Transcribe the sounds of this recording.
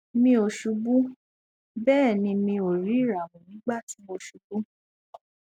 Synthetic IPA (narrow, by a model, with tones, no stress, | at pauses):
mĩ˧o˨ʃu˨˧bũ˦ | bɛː˦˨nĩ˧mĩ˧o˨ɾi˨˦˨ɾa˨mũ˨nĩ˨˦ɡ͡ba˦˨ti˨˦mo˧ʃu˨bũ˦